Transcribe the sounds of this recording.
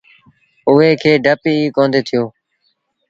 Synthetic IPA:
ʊɦeːkʰeːɖʱəpiːiːkoːnd̪eːt̪ʰɪjoː

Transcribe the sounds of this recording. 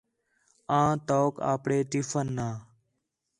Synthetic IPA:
ãːt̪oːka̰ːpɽeːʈɪfənːaː

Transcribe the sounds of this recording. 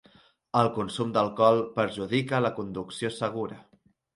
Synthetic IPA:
əlˠkunsumd̪əlˠkɔlˠpəɾʒuðikələkund̪uksiosəɣ̞uɾə

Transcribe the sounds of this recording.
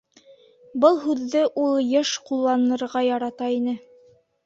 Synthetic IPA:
bɤlˠɦʉðːɘʔulˠjɤʃqulˠːɑnɤ̆ɾʁɑjɑɾɑt̪ɑinɘ

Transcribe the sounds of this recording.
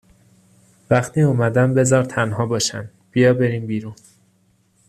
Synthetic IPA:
væxt̪ʰiːuːmæd̪æmbe̞zɒːɾt̪ʰænɦɒːbɒːʃæ̰n | b̥ijɒːbe̞ɾiːmbiːɾun

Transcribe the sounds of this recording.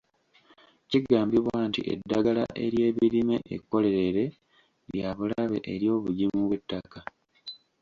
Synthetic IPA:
ciɡaːmbiβwantḭʔe̞̰dːaɡala̰ʔe̞ɾje̞ːβiɾime̞ʔḛkːo̞le̞ɾeɾe̞ | ljaβulaβe̞ʔeɾjo̞ːβuɟimuβwetːaka

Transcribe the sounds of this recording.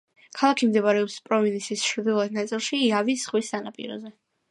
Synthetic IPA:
kʰalˠakʰimd̪ɛβaɾɛɔpspʼɾɔminisisʃʰɾd̪ilˠad̪̚ʰnat̪sʼilˠʃiːavisχwisːanapʼḭɾɔ̰zɛ

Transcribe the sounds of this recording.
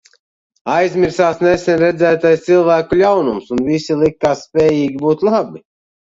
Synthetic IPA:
ajzʲmʲiɾsaːsnesɛnʲɾɛd̪zæːt̪ajst̪silˠvæːkulʲawnumsunvisilˠikːaːsːpʲɛːjiːɡʲibuːt̪lˠabi

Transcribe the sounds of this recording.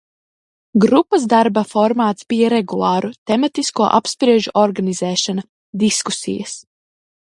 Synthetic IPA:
ɡɾupːɐsd̪aɾbafɔɾmaːt̪sb̥ijɐɾeɡulˠɑːɾut̪ɛmat̪iskuɔʔapspɾiɛʒuʔɔɾɡanizɛːʃana | d̪iskusḭjɐs

